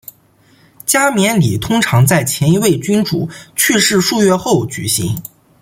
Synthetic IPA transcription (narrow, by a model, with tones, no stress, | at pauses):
t͡ɕja˥mjɛ˧˥nli˨˩t̪ʰʊ˥ŋʈ͡ʂʰɑ˧˥ŋt͡sa˥˩ɪt͡ɕʰjɛ˧˥ni˧˥we˥˩ɪt͡ɕy˥nʈ͡ʂṵ˨˩t͡ɕʰy˥˧ʂɻ̩˥˧ʂu˥˧ɥɛ˥˧xo˥˩ʊt͡ɕy̰˨˩ɕḭ˧˥ŋ